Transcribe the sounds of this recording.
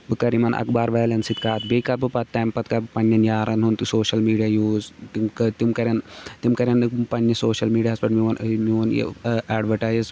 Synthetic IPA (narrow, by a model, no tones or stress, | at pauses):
bɨkɐɾimɐnʔɐ̰kbaːɾʋɐːlɐnsit̪kaːt̪bekɐbɨpɐt̪ːɐːmpɐt̪kɐbɨpɐnjɐnjaːɾɐnɦunt̪usoːʃɐlmiːɖijaːjuːzt̪imkt̪imkɐɾʲɐnt̪imkɐɾʲɐnɨpɐnːɐsoːʃɐlmiːɖiaːsbɐʈmiʋɐnmion̰aːɖʋɐʈaːjzz